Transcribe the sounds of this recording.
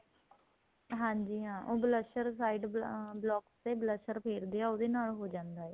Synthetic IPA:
ɦãːɲd͡ʒiːɦãːʔoːbləsəɾsaːiɖblɔːkseːbləsəɾpʰeːɾd̪eːaːoːd̪eːnaːlɦoːd͡ʒãːnd̪aːɛː

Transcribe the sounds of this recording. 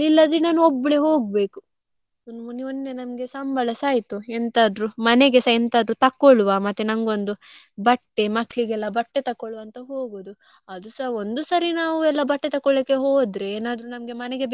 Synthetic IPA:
ilːɐd̪inaːnuobːɭeɦo̞ːɡ̚be̞ːku | nnonːe̞nɐmɡe̞sɐmbɐlɐsaːjt̪uɛnt̪aːd̪ɾumɐneɡesɐɛnt̪aːd̪ɾut̪ɐkːoɭʋamɐt̪ːenɐŋɡo̞nd̪ubɐʈːe̞mɐkʰːɭiɡɛlːɐbɐʈːet̪ɐkːoɭʋɐnt̪ɐɦoːɡoːd̪u | ɐd̪usɐɦond̪usɐɾinaːʋuɛlːɐbɐʈːet̪ɐkːɔɭikːe̞ɦo̞ːd̪ɾeeːnaːd̪ɾunɐmɡe̞mɐneɡe̞b

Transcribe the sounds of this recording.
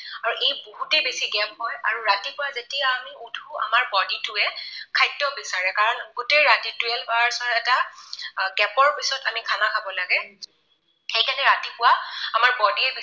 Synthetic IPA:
aɹuʔejboɦutebesiɡɛpɦɔja̰ɹuɹatipʊwazetijaːmiudʱua̰maɹbɔditʊɛkʰajtːɔbisaɹɛkaɹɔnɡutejɹatitʊɛlbaɹsɔɛta | ɡɛpɔɹpisɔtamikʰanakʰabɔlaɡɛ | xejkanɛɹatipʊwaamaɹbɔdiɛb

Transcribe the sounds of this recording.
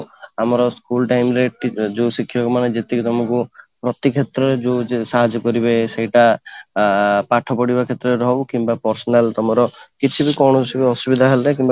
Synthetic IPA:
amɔɾɔskulʈajmɾeʈd͡ʒewsikʰːijɔkɔmaned͡ʒet̪ekit̪ɔmakupɾɔt̪ikʰet̪ɾɔɾed͡ʒosaɦad͡ʒɔkɔɾibesejʈa | paʈʰɔpɔɽibakʰet̪ɾɔeɾɔɦwkimbapɔɾsɔnalt̪ɔmɔɾɔkit͡ʃʰibikɔwɳ̃ɔsbɔsubid̪ʱaɦelekimba

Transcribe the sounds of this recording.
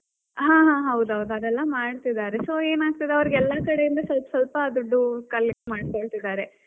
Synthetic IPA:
ɦãːɦãːɦɐwd̪uɦɐwd̪uɐd̪ɛlːɐmaːɖt̪id̪aːɾesoːe̞ːnaːɡ̚t̪id̪eɐʋɐɾiɡɛlːɐkɐɽe̞jind̪ɐsɐlpɐsɐlpɐːd̪uɖːukɐlːikemaːɖkoɭt̪id̪aːɾe̞

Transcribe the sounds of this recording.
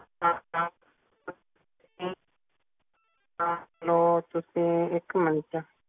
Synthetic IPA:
aa | si | alot̪usiekɨmãnĩt͡ʃa

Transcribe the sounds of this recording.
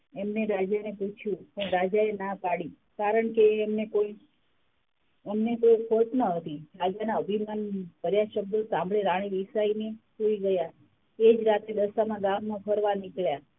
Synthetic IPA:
emneɾad͡ʒaneput͡ʃʰjũkẽɾad͡ʒaenapaɽi | kaɾəɳkeːmnekoi | emnekoikʰoʈnəɦət̪iɾad͡ʒanaəbʱimanbʱəɾjaʃəb̚d̪osãmbɭeɾaɽ̃iʋisainesoiɡəja | ed͡ʒɾat̪ɾed̪əsamãɡamːãpʰəɾʋanikɭja

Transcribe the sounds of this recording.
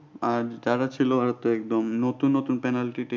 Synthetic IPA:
aɾd͡ʑaɾat͡ɕʰiloaɾat̪oɛk̚d̪omnot̪unːot̪unpɛnalʈiʈi

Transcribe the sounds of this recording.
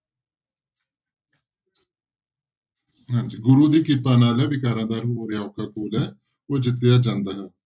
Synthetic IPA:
ɦãːɲd͡ʒiːɡʊɾuːd̪iːkɪpːaːnaːlɛːʋɪkaːɾãːd̪aːɾɦoːɾjaːoːkʰːaːkoːlɛː | oːd͡ʒɪt̪ːejaːd͡ʒãːnd̪aːɦɛː

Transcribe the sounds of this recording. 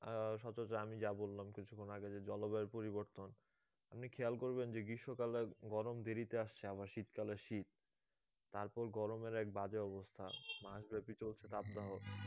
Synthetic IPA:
ʃɔt͡ɕot͡ɕaamid͡ʑabolːamkit͡ɕʰukʰːonaɡed͡ʑed͡ʑɔlobeɾpoɾiβoɾt̪on | apnikʰɛalkoɾbend͡ʑeɡɾiʃokaleɡɔɾomd̪eɾit̪eaʃt͡ɕʰeaβaɾʃit̪kaleʃit̪ː | aɾpɔɾɡɔɾomeɾɛk̚bad͡ʑeɔbost̪ʰa̰maʃbɛpit͡ɕolt͡ɕʰet̪apd̪aɦo

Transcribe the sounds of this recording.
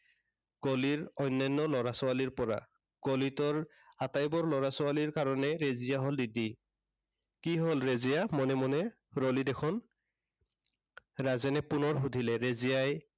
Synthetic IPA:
ɡ̥oliɹɔjnːajnːɔlɔɹasɔaliɹpɔɹa̰ | ɡ̥olitɔɹ | atajbɔɹlɔɹasɔaliɹkaɹɔnɛɹezijaɦɔldidi | kiɦɔlɹezijamɔnɛmɔnɛ | ɹɔlidɛkʰɔn | ɹazɛnɛpunɔɹɦudʱilɛɹezijaj

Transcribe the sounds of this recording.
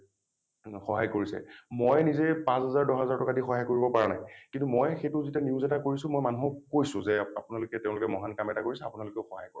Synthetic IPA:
xɔɦa̰jkoɹisɛ̰mojnizɛpãsɦazaɹdɔɦazaɹtɔkadixɔɦajkoɹibɔpaɹana̰jkĩntumojxetʊzitɛniuzɛtakoɹisʊ̃mojmanuɦɔkojsʊ̃zɛapʊnalʊkɛteʊ̃lʊkɛmɔɦankamɛtakoɹisɛapʊnalʊkɛʊxɔɦa̰jkoɹ

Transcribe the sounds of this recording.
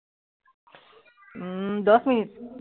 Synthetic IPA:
d̪ʌsminit̪̚

